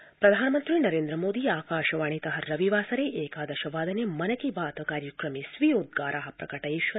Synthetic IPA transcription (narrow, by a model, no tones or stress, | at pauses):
pɾɐd̪ʱaːnɐmɐnt̪ɾinɐɾeːnd̪ɾɐmoːd̪iaːkaːʃɐʋaːɳ̃it̪ɐɦɐɾɐʋiʋaːsɐɾeːʔeːkaːd̪ɐʃɐʋaːd̪ɐnemɐnɐkibaːt̪ɐkaːɾjɐkɾɐmisʋijoːd̪̚ɡaːɾʔaːɦɐpɾɐkɐʈɐjʃʋɐ